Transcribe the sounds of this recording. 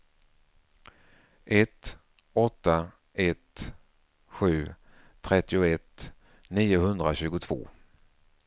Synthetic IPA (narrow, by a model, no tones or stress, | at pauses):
ʔɛt̪ | ɔt̪ːa | ɛt̪ | ɧʉ̟ː | t̪ʰɾɛt̪ːɪʊɛt̪ | niːʊhɵnd̪ɾaɕʉ̟ːɡʊt̪ʰv̥o̰ː